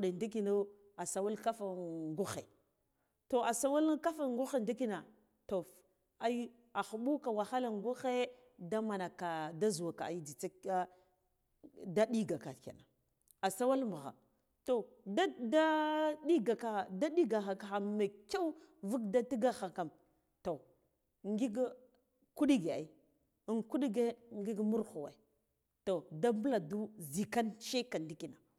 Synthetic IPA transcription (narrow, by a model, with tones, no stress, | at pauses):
ɗe˨ndi˦ki˨na˦ | a˨sa˨wa˦lka˦fa˨ŋɡu˦xḛ˨ | to˨a˨sa˦wa˦lka˦fa˨ŋɡu˦xe˨ndi˦ki˦na˨ | to˨f | a˦i˦ | a˨xu˨ɓu˦ka˨wa˨xa˦la˨ŋɡu˦xe˦ | da˦ma˨na˨ka˨da˦zu˨wa˨ka̰˨a˨i˦d͡zi˨t͡sa˦a˦ | da˦ɗi˦ɡa˨ka̰˨ka̰˨na˨ | a˨sa˦wa˦lmu˨ɣa̰˨ | to˨ | da˦da˦ɗi˦ɡa˨ka˨da˦ɗi˦ɡa˨xa˨ka˨a˨ma˨ka˦u˦vu˦kda˦ti˦ɡa˦xa˨ka˨m | to˨ | ŋɡi˦ɡ | ku˦ɗi˦ɡe˨a̰˨i˦˨ | nku˦ɗi˦ɡe˦ŋɡi˦ɡmu˦ɾxu˨wa̰˨i˨ | to˨da˦mbla˨du˦zi˨ka˦nʃe˦ka˨ndi˦ki˨na˨